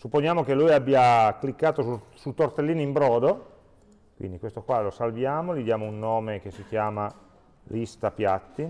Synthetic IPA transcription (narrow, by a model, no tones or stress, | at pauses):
supːonjaːmokelːujabːjaklikːaːt̪osusut̪ort̪elːiːnoimbɾɔːd̪o | kwḭnd̪ikwest̪okwalosalvjaːmolid̪jaːmounːoːmekesːik̟jaːma | list̪apjat̪ːi